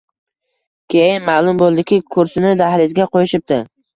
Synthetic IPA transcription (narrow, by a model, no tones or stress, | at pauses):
kʲʰejɪnmaːlˠʊmbolˠd̪ɪkʲɪkʰʊɾsɪnɪd̪ahlɪzɡʲaqʰojɪʃɪp̚d̪ɪ